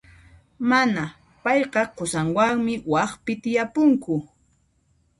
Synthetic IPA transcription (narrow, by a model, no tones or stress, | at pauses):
mana | pɑjqɑqʊsaŋwaŋmɪwɑχpɪt̪ɪjapʊŋkʊ